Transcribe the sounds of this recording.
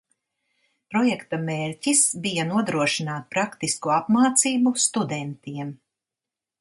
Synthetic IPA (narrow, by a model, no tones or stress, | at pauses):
pɾɔjɛkt̪ɐmeːɾʲcisbijɐnuɔd̪ɾuɔʃinaːt̪̚pɾakt̪iskuapmaːt̪siːbust̪ud̪ɛnt̪iɛm